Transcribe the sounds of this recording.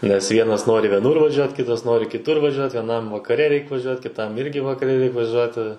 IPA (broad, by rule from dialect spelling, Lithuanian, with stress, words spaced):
nʲɛs ˈʋʲiɛnɐs ˈnoːrʲɪ ʋʲiɛˈnʊr ʋɐˈʒʲuɔt ˈkʲɪtɐs ˈnoːrʲɪ kʲɪˈtʊr ʋɐˈʒʲuɔt ʋʲiɛˈnɐm ʋɐkɐˈrʲɛ ˈrʲɛɪk ʋɐˈʒʲuɔt kʲɪˈtɐm ˈɪrʲɡʲɪ ʋɐkɐˈrʲɛ ˈrʲɛɪk ʋɐˈʒʲuɔtʲɪ